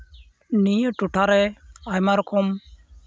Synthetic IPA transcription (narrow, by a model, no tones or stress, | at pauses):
nijoʈuʈʰaɾɛajmaɾɔkʰɔm